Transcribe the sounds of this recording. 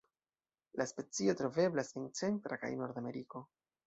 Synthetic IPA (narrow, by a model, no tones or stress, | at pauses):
laspe̞t͡sio̞tɾo̞ve̞blase̞nt͡se̞ntɾaka̰jno̞ɾd̪ame̞ɾiko̞